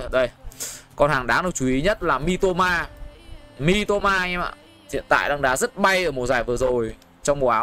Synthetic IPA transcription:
ɗə˧˩jkɔ˧nhaː˨˩ŋɗaː˨˦ŋɗɨ˨˩t͡ɕu˨˦ʔi˨˦ɲə˦˥t̚laː˨˩mi˧t̪o˧maː˧ | mi˧t̪o˧maː˧ɲɛ˧ma̰ː˧˨ | hḭ˧˨ənt̪a̰ː˧˨jɗa˧ŋɗaː˨˦zə˦˥t̚ɓa˧jʔəː˧˩mo˨˩t̚zaː˨˩jvɨ˨˩əzo˨˩j | t͡ɕɔ˧wŋ͡mm˨˩ʔaː˨˦

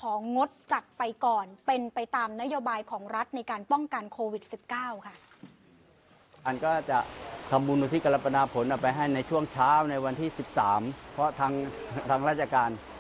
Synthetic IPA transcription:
kʰɔː˩˦ŋo˦˥t̪̚t͡ɕa˨˩t̪̚pa˧jkɔː˨˩npe˧npa˧jt̪aː˧mna˦˥joː˧baː˧jkʰɔː˩˦ŋɾa˦˥t̪̚na˧jkaː˧npɔ˥˩ŋka˧nkʰoː˧wi˨˩t̪̚si˨˩p̚kaː˥˩wkʰa˥˩ | ʔa˨˧nkɔː˥˩t͡ɕa˨˩ʔt̪ʰa˧mbuː˧nːu˧t̪ʰiː˥˩ka˧la˧˥pːa˧naː˧pʰo˩˦nʔaː˨˩pa˧jɦa˥˩jna˧jt͡ɕʰu˥˩əŋt͡ɕʰaː˦˥wna˧jwa˧nt̪ʰiː˥˩si˨˩p̚saː˩˦mpʰɾɔ˦˥t̪ʰaː˧ŋt̪ʰaː˧ŋɾaː˥˩t̪̚t͡ɕʰa˧kaː˧n

